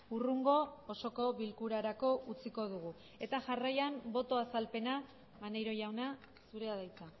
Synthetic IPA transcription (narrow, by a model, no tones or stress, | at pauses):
uruŋɡo̞ːso̞ko̞βilkuɾaɾako̞ut͡siko̞ð̞uɣ̞u | e̞t̪aʝarajambo̞t̪o̞asalpe̞na | βanejɾo̞jawna | suɾe̞aðajt͡sa